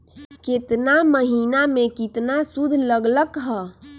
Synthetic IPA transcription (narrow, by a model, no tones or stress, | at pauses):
kɪt̪naməɦinamẽkɪt̪nasud̪ʱləɡləkɦɛː